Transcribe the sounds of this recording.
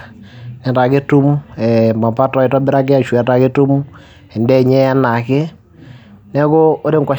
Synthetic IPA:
nɛ˨ta˨kɪ˦tu˦mɛ˨ma˨pa˦tɔ˨˦ɪ˨tɔ˦bɪ˦ɾa˦kɪ˦a˦˨ʃwɛ˨ta˨kɪ˦tu˦m | ɛ˨ndɛ˦˨ɲɛ˦a˦na˨kɪ˦ | nɛ˦kʊ˦o˦ɾe˦ŋɡa˨

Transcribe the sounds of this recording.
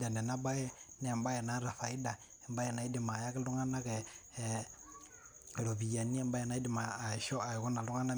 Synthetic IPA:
da˨ndɛ˨na˦ba˦jɛ˦nɛ˦˨mba˦jɛ˨na˨˦ɾa˨fa˨i˦da˨ | ɛ˨mba˦jɛ˨na˨˦i˦di˨ma˨ja˦kɛ˦lu˦ŋa˦na˦kɛ˨ | ɾo˨bi˨ja˨ni˦ɛ˦˨mba˦jɛ˨na˦i˦di˨ma˨ʃɔ˦a˨jkɔ˦na˨lu˦ŋa˦na˦

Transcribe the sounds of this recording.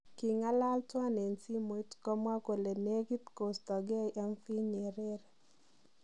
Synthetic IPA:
ki˨ŋa˦la˦ltwa˦ne˨nsi˦mo˨i˦tkɔ˦mwa˦ko˨le˨ne˦ɡi˦t̪ko˨stɔ˨ɡa˦jʔɛ˦mfi˦ɲe˨ɾe˦ɾ

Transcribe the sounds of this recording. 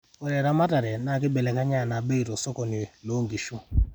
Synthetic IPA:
o˨ɾɛ˨ɾa˦ma˦ta˨ɾɛ˨na˨kɪ˦bɛ˨lɛ˨ka˦ɲa˦˨na˨be˦i˨ɾo˨so˦kɔ˨ni˨lo˨˦ŋ˨ɡi˨ʃu˦

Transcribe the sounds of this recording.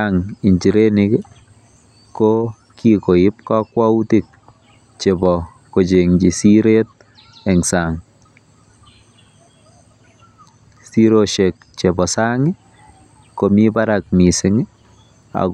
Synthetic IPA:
aŋi˨ɲd͡ʒi˨ɾe˦ni˦k | ko | kiko˨ɪ˦p̚kɔ˦kwau˦ti˦k̚ | t͡ʃebɔ | ko˨d͡ʒe˨ŋd͡ʒi˨siɾe˦t̚ | ɛŋsaŋ | siɾoʃek̚ | t͡ʃe˨bɔ˨sa˦ŋɪ˦ | ko˨mi˦ba˦ɾa˨k̚mi˨sɪŋ˦ | a̰˨

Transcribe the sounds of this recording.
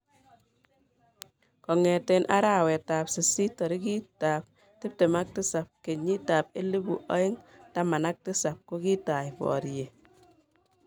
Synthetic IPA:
kɔ˨ŋɛ˨tɛ˨nʔa˦ɾa˦˨wɛ˨ta˨psɪ˨si˦tɔ˨ɾi˦ki˦ta˨p̚ | tɪ˦p̚te˨ma˦k̚tɪ˦sa˨p̚ke˨ɲi˦ta˨p̚e˦le˦bu˨ʔɔ˦ɪ˦ŋta˦ma˨na˦k̚tɪ˦sa˨p̚ko˦ki˦ta˨jpɔ̰˨ɾje˨

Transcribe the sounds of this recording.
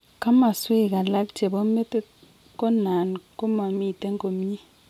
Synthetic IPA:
ka˦ma˨swe˦˨ka˨la˦k̚t͡ʃe˨bo˦me˦te˦ | ko˦na˨nko˦ma˨mi˦˨te˦ŋ˦ko˨m˦ɲi˦

